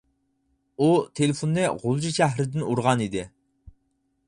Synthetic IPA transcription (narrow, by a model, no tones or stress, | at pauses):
ut̪ʰelɪfunːɨʁolˠd͡ʒiʃæɦɾɪd̪ɪnuɾʁɑnid̪ɪ